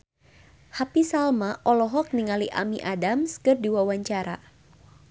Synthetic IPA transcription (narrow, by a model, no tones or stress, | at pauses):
hapisalmaʔɔlɔɦɔk̚niŋaliʔa̰miʔadamskɨrdiwawaɲt͡ʃaɾa